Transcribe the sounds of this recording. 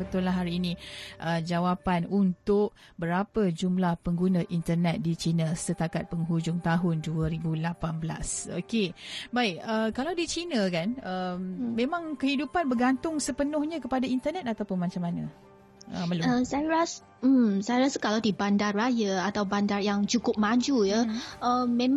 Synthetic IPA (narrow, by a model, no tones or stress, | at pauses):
bət̪ʊlːaɦaɾiːniʔəd͡ʒawapanunt̪ʊʔ̚ | bəɾapəd͡ʒumlahpəŋɡunə̃ʔint̪ərnɛt̪̚dit͡ʃinəsət̪akat̪̚pəŋɦud͡ʒʊŋt̪aɦʊnduəɾibulapanbla̰so̰kebaɪkəkalawdit͡ʃinə̃kanəmːẽmãŋkəhidupanbəɡant̪ʊŋsəpənʊhɲãkəpadaint̪ərnɛt̪̚at̪apʊnmat͡ʃamanə̰̃ | ʔə̰məluəsajɾas | m̩sajɾasəkalawdibandarːajəat̪awbandarjaŋt͡ʃukʊp̚mad͡ʒujəəmːẽ